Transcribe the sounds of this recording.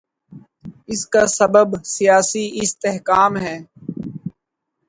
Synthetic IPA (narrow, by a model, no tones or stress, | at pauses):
ɪskasɐbəbsijaːsiɪst̪eɦkaːmɦɛː